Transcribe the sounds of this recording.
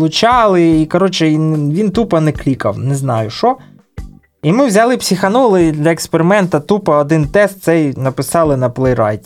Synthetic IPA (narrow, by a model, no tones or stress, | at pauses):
lˠʊt͡ʃɑlˠɪikɐɾɔt͡ʃɪʋʲint̪upɐnɛklʲikɐ̰wnɛznɑjʊʃɔ | imɪwzʲɐlˠɪpsʲixɐnɔlˠɪd̪lʲɐekspeɾɪmɛnt̪ɐt̪upɐɔd̪ɪnt̪ɛst̪̚t̪sɛjnɐpɪsɑlˠɪnɐplˠɛjɾɑ̰jt̪ʲ